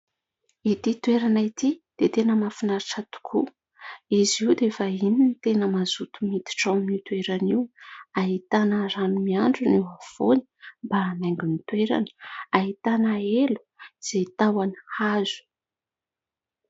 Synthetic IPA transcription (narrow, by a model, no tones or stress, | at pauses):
it̪it̪weɾanait̪id̪̥et̪enəmafinaɾʈ͡ʂat̪u̥kʰṵ | iziwd̪efaininit̪enəmazut̪umit̪i̥ʈ͡ʂawnit̪weɾaniwaɦit̪anəɾanumiaɳɖ͡ʐuniwav̥oni̥mbaːnajŋɡunit̪weɾa̰nə̥aɦit̪anaelu̥ | z̥et̪awanhazu̥